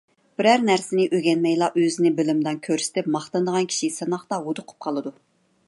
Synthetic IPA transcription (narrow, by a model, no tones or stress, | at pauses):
b̥ɪɾæɾnæɾsɪnɪʔøɡʲɛnmɛjlˠɑʔøzɪnɪbɪlɪmd̪ɑnkʲʰøɾsɪ̥t̪ʰɪpmɑχt̪ɑnd̪əʁɑnkʲʰi̥ʃisɑnɑχt̪ɑwod̪ʊqʰʊ̥p̚qʰɑlˠɨd̪u